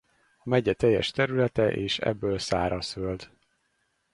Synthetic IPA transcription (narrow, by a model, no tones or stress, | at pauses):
ɒmɛɟɛt̪ɛjːɛ̰ʃt̪ɛɾylɛt̪ɛʔeːʃɛ̰bːøːlsaːɾɒsøld̪